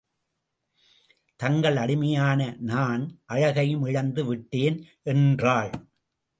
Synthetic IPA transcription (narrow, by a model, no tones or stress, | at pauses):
t̪ɐŋɡɐɭɐɽɪmɐjaːnɐnaːnʔɐɻɐɣɐjɯmɪɻɐnd̪ɯʋɪʈːeːn | ʔɛndraːɭ